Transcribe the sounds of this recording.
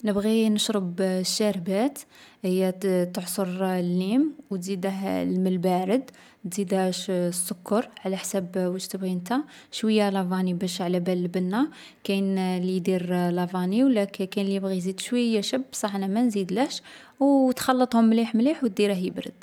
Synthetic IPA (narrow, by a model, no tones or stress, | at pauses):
nəbɣinəʃɾəbʃːæɾbæt̪ | həjːæt̪əʕsˤoɾlːimwt̪zid̪əɦlməlbæɾəd̪ | t̪zid̪æʃsːʊkːɑɾˤʕlæħsæbwəʒt̪əbɣint̪æ | ʃwəjːalɑvɑnibæʃʕlæbælːbənːæ | kæjnlid̪iɾlɑvɑniwlækkænlijəbɣizid̪ʃwəjːæʃəbsˤɑħnæmænzid̪læʃ | wt̪xɑlːət̪ˤhʊmːliħmliħwt̪̚d̪iɾəɦjəbɾə̰d̪̥